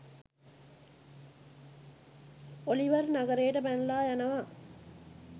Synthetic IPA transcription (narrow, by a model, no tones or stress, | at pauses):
oliʋɐɾnɐɣɐɾeːʈɐpænlaːjɐnɐʋaː